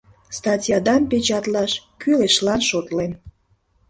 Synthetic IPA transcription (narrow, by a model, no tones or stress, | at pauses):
st̪ɑtʲjɑd̪ɑmpet͡ɕɑt̪lɑʃkyleʃlɑnʃot̪len